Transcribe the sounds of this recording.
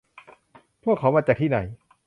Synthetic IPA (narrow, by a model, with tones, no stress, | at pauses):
pʰu˥˩əkʰːa˩˦wmaː˧t͡ɕaː˨˩k̚t̪iː˥˩na˨˩˦j